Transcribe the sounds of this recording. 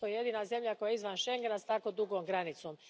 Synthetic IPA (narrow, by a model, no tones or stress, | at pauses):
ojje̞d̪iːnaze̞mʎakojaeizʋanʃe̞ŋɡe̞nast̪ako̞d̪uɡoːmɡɾanit̪som